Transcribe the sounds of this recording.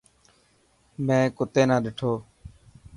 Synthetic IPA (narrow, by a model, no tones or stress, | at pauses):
mɛ̃ːkʊt̪eːnãːɗeːʈʰoː